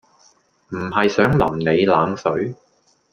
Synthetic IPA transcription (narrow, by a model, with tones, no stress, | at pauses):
m̩˨˩hɐ˨jsœː˨˥ŋlɐ˨˩mne˨˧jlaː˨˧ŋsɵ˨˥ɥ